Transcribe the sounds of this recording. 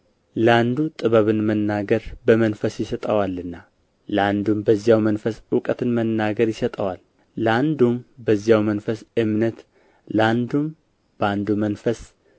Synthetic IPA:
ləand̪ut̪ʼɨβəβɨnmənːaɡəɾbəmənfəsjɪsət̪ʼəwalːɨnːa | ləand̪umbəzːjawmənfəswʊkʼət̪ʰɨnmənːaɡəɾjɪsət̪ʼəwal | ləand̪umbəzːijawmənfəsɨmnət̪ | ləand̪um | b̥əand̪umənfəs

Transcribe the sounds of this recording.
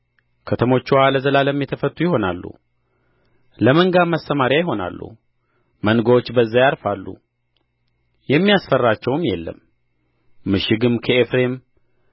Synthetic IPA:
kʰət̪ʰəmo̞t͡ʃːuwaləzəlaləmːjɛt̪ʰəfət̪ʼːujɪɦo̞na̰lːṵ | ləməŋɡamːast̪əmaɾjajɪɦo̞na̰lːṵ | mənɡəwo̞t͡ʃːbəzːajaɾfalːṵ | jɛmːijasfərːat͡ʃːɛwɨmjɛlːə̰mː | ɨʃɪɡɨmkʰəefɾe̞m

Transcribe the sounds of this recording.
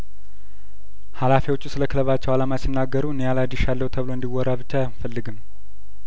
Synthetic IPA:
halafiwo̞t͡ʃːusɨləkʰɨləβat͡ʃːɛwalamasinːaɡːəɾuɨnejalad̪iʃalːəhut̪ʰəβɨlo̞ɨnd̪iwːɔɾaβɨt͡ʃːaafəlːɨɡɨm

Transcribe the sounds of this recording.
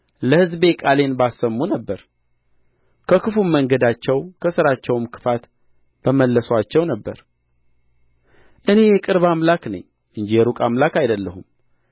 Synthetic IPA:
ləhɨzbe̞kʼale̞nbasːəmːunəbːəɾ | kʰəkʰɨfumːəŋɡəd̪at͡ʃːɛwkʰəsɨɾat͡ʃːɛwmkʰɨ̥fat̪ | b̥əməlːəsat͡ʃːɛwnəbːə̰ɾ | ʔɨne̞jɛkʼɨɾβamlaknə̰ɲː | ʔɨɲd͡ʒijɛɾukʼamlakajd̪əlːəhum

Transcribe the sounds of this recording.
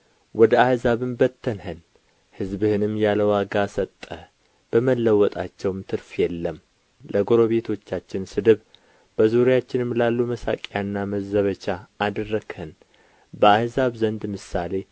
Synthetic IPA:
wɔd̪əahzaβɨmbət̪ʰːənhən | hɨzbɨhɨnɨmjaləwaɡasət̪ʼːə | b̥əməlːəwɔt̪ʼat͡ʃːɛwɨmt̪ʰɨɾfjɛlːəm | ləɡoɾo̞βe̞t̪ʰo̞t͡ʃːat͡ʃːɪnsɨd̪ɨβ | b̥əzuɾijat͡ʃːɪnɨmlalːuməsa̰kʼjanːaməzəβət͡ʃaːd̪rːəɡhən | bəahzaβzənd̪mɨsale̞

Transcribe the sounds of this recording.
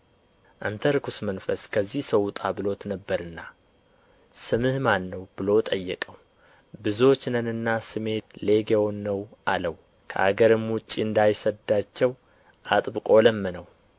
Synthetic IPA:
ʔant̪ʰəɾkʰusmənfəskʰəzːihsəwt̪ʼabɨlo̞t̪nəbːəɾɨnːa | sɨmɨhmanːəwb̥ɨlo̞t̪ʼəjːɛkʼəw | bɨzo̞t͡ʃːnənɨnːasɨme̞le̞ɡewonːəwʔaləw | kʰə̰ʔa̰ɡəɾɨmwʊt͡ʃʼːiɨnd̪ajsəd̪at͡ʃːɛw | ʔat̪ʼbɨkʼo̞ləmːənəw

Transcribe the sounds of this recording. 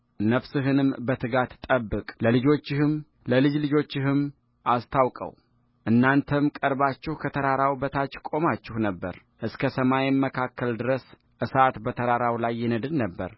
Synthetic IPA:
nəfsɨɦɨnɨmbət̪ʰɨɡat̪t̪ʼəbːɨkʼləlɨd͡ʒo̞t͡ʃːɪhɨm | ləlɨd͡ʒlɨd͡ʒo̞t͡ʃːɪɦɨm | ʔast̪ʰawkʼə̰w | ʔɨnːant̪ʰəmkʼəɾbat͡ʃːɪhkʰət̪ʰəɾaɾawbət̪ʰat͡ʃːkʼo̞mat͡ʃːɪhnəbːə̰ɾ | ʔɨskʰəsəmajɛmːəkʰakːəld̪ɨɾəs | ʔɨsat̪bət̪ʰəɾaɾawlajːɛnəd̪ɨnːəbːə̰ɾ

